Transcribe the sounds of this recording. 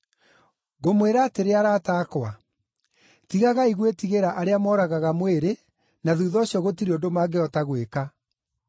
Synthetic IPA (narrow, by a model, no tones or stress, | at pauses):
ɣomweɾaːteɾeaɾaːtaːkwa | tiɣaɣaiɣwetiɣeɾaʔaɾeamɔːɾaɣaɣamweɾe | naðuːðɔɕjɔɣotiɾiondomaːɡeɔtaɣweka